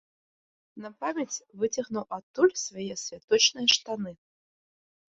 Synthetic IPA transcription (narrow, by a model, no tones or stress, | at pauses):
nɐpamʲet͡sʲvɨt͡sʲaɣnuwʔat̪ːulʲsvajɛsʲvʲat̪ɔt͡ɕnɨjɛʂt̪anɨ